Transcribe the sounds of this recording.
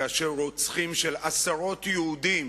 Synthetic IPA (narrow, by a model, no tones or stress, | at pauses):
aʃeot͡sχimʃelasaʁo̞t̪jeud̪im